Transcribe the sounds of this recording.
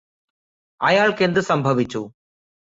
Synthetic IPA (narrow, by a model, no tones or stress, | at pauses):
ɐjaːɭkend̪ɯsɐmbʱɐʋɪt͡ɕːu